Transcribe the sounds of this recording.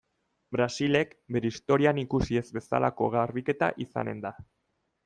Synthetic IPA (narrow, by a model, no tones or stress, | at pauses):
bɾasile̞kbe̞ɾe̞ist̪o̞ɾianikusie̞zbe̞sa̰lʔako̞ɣarβike̞t̪a̰ʔisa̰ne̞̰nd̪a